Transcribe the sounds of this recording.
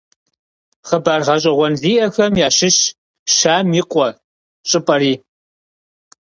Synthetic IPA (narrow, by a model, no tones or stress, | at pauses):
χəbaːrʁɐɕ̬ʼɐʁʷɔnziːʔɐxɐmjaːʃɪɕ | ʃaːmiːqʷʼɔ | ɕʼɨpʼɐɾiː